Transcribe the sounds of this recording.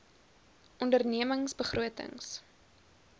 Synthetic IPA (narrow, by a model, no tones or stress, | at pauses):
ʔɔndərniəməŋsbəχruətə̰ŋs